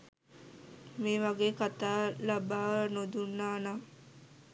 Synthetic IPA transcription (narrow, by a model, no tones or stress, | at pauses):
meːʋaɡeːkat̪aːlabaːʋənod̪unːaːna